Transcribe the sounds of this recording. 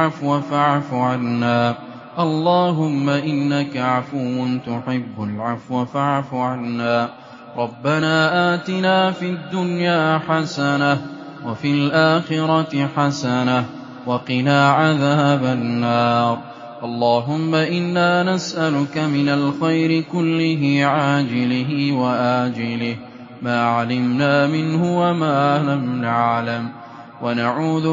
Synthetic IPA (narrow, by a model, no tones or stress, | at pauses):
afwafaʕfʊʕanːaː | ʔɑlˤːɑːɦʊmːaʔɪnːakaʕafuːnt̪ʊħɪbːʊlʕafwafaʕfʊʕanːaː | ɾˤɑbːanaːʔaːt̪ɪnaːfid̪ːʊnjaːħasanah | wafilʔaːxɪɾˤɑt̪ħasanah | wɑqɪnaːʕaðaːabanːɑːɾˤ | ʔɑlˤːɑːɦʊmːaʔɪnːaːnasʔalʊkamɪnalxajɾɪkʊlːɪɦɪʕaːd͡ʒɪlɪɦɪwaʔaːd͡ʒɪlɪh | maːʕalɪmnaːmɪnhʊwamaːlamnaʕlam | wanaʕuːð